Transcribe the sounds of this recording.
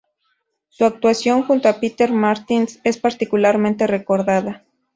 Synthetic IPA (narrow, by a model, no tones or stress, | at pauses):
suak̚t̪uasjoŋxunt̪oapit̪eɾmaɾt̪insespaɾt̪ikulaɾment̪erekoɾðaða